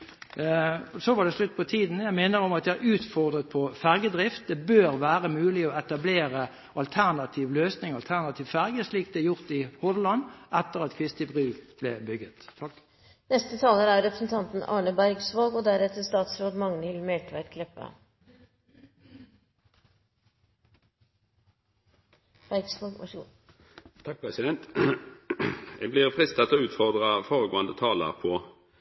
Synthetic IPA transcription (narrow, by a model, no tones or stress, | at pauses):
sɔʋɑɖɛslʉt̪̚ːpʰɔt̪ʰiːd̪njæɪmeːnəʁɔmɑt̪d̪jææʁʉːt̪fɔʁd̪ʁət̪̚pʰɔfæʁɡəd̪ʁɪft̪̚d̪ɛbøːʁʋæːʁəmʉːlɪɔɛt̪ɑbleːʁə | ʔɑlt̪ʰæʁnɑt̪ʰiːʋløːsnɪŋɑlt̪ʰæʁnɑt̪ʰiːʋfæʁɡəsliːk̚d̪ɛjʊʁt̪ɪhɔd̪lɑnɛt̪ːəʁɑt̪kʰʋɪst̪əbʁʉːb̥lɛ̰bʏɡət̪ | nɛst̪ət̪ʰɑːləɾæɾɾɛpɾəsn̩t̪ʰɑnt̪n̩ɑ̰ːɳəbæɾɡsʋoːɡɔd̪æɾɛt̪əst̪ɑːt̪sɾoːd̪mɑŋnəɪlmɛlʈʋæɾtkʰlɛpːə̰ | b̥æɾɡsʋoːɡɑ̰ | t̪ʰɑɛsɪd̪ɛnt̪ | jɛɡblɪʁfʁɪst̪ɑt̪ːoːʉːt̪fɔʁd̪ʁəfoːʁəɡo̰ːənd̪ət̪ʰɑːlə̰ʁpʰɔ